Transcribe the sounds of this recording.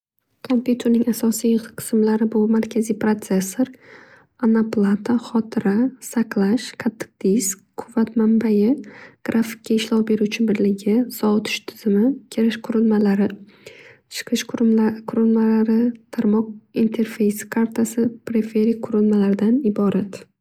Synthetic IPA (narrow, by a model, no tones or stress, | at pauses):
kʰo̞mpjut̪ʰe̞ɾnɪŋasɒsijq̪qʰɨ̥smlaɾɪbʊmaɾkʲʰazijpɾot̪se̞sːoɾ | anaplˠat̪ʰaχɒt̪ʰɪɾasaqlˠaʃqʰɑt̪ʰːɨ̥q̚d̪̥isk̚qʰʊvːat̪mambajɪɡ̥ɾʔafɪ̥kʲːaɪʃlɒwbe̞ɾut͡ʃʰɪbɪɾlɪɡʲɪsɒt̪ʰɪ̥ʃt̪ʰɪ̥z̥ɪmɪkʲʰeɾɪʃqʰʊɾɪlˠmalaɾɪ | t͡ʃʰɨ̥qʰɨʃʊkʰʊɾɪlˠmalaɾɪt̪ʰaɾmɒq̚int̪ʰe̞ɾfejskʰaɾt̪ʰasɪpʰɾefeɾɪkʰʊɾɪlˠmalaɾɪd̪anɪbɒɾat̪